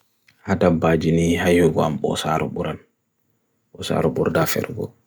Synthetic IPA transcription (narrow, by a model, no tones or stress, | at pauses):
hatabad͡ʒinihajhɔɡɔamɓɔ̰sa̰ɾɔ̰ɓuɾan | ɓɔsa̰ɾɔɓuɾdafɛ̰ɾɡɔ̰